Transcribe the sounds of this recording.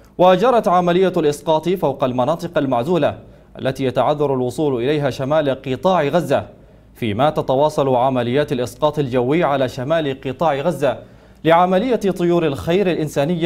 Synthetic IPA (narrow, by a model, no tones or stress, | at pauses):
wad͡ʒɑɾˤɑt̪ʕamalɪjːalʔɪsqɑːt̪ˤfawqɑlmɑnɑːt̪ˤɨqalmaʕzuːla | ʔa̰lːat̪iːjat̪aʕaðːɑɾˤalwʊsˤuːlʔɪlajɦaːʃamaːlqɨt̪ˤɑːʕɪɣazːa | fiːmaːt̪at̪awɑːsˤɑlʕamalɪjːaːt̪alʔɪsqɑːt̪ˤald͡ʒawːɪʕalaːʃamaːlɪqɨt̪ˤɑːʕɪɣazːa | lɪʕamalɪjːat̪ˤʊjuːɾalxajɾalʔɪnsaːnɪjːa